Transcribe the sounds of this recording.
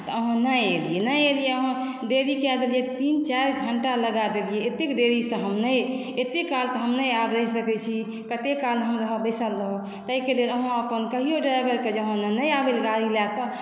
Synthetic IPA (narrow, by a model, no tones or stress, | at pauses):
t̪ɔəɦãnəelijenəelijeəɦã | d̪eɾikead̪elijet̪int͡ʃaɾɡʱəɳʈaləɡad̪elijeet̪ekd̪eɾisə̃ɦəmnəj | et̪ekalt̪ɔɦəmnəjabɾəisəkɛt͡ʃʰi | kət̪ekalɦəmɾəɦəbəjsəlːəɦo | t̪əɦikeleləɦãəpənkəɦijoɖɾajbəɾked͡ʒəɦãnənəjabelɡaɾilakə